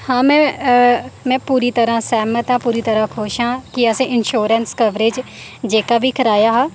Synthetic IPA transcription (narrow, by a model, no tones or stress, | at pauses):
hãːmɛ̃ː | mɛ̃ːpuːɾiːt̪əɾãːsɛːmət̪ãːpuːɾiːt̪əɾãːkʰoʃãːkɪəsẽːʔɪnʃoːɾənskəʋɾeːd͡ʒ | d͡ʒeːkaːbʱiːkʰəɾaːjaːɦãː